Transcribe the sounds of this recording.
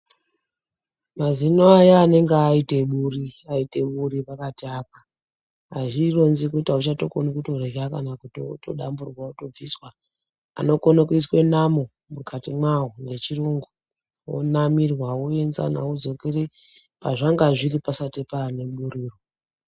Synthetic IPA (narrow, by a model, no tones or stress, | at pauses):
mazinoajaːne̞ŋɡeaite̞ɓuriaite̞ɓuɾipakatiaːp̚a | aʐiro̞nzikuitaut͡ʃato̞konokutorekakanakutoto̞ɗamburwauto̞b͡viswa | a̰no̞konokuiswe̞namo | mukatimwawoŋɡe̞t͡ʃiruŋɡu | wo̰namirwawoe̞nza̰na̰ud͡zo̞ke̞re̞ | paʐaŋɡaʐiripasatepane̞ɓuɾiːro